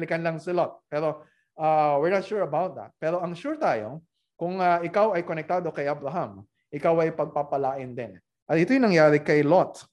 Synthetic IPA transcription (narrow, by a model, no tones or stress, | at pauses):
lɪkɐnlɐŋsɪlot̪̚pɛːɾo̞ | ʔawɪɹnɐt̪ʃuɹɐbawt̪̚d̪ɐ̰t̪̚pɛːɾo̞ɐŋʃuɹt̪aːjo̞̰ | kʊŋɐʔɪkawɐjkonɛk̚t̪aːd̪o̞kɐjʔabɾɐɦam | ʔɪkawɐjpɐɡ̚papɐlaːʔɪnd̪ɛn | ʔɐt̪ʔɪt̪ojʊŋnɐŋjaːɾɪkɐjlot̪